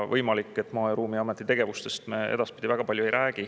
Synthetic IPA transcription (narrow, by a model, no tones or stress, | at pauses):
vɤjmɑlikːˑe̞t̪ːˑmɑːɾuːmiɑmet̪ːˑit̪e̞ɡ̥e̞vust̪e̞st̪meed̪ɑspi̥d̪ivæɡ̥ɑpɑlʲjue̞jɾʔæːɡ̥i